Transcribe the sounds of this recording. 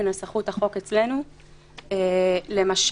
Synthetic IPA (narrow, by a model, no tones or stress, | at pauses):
nosaχuthaχo̞ket͡sle̞nu | ele̞maʃ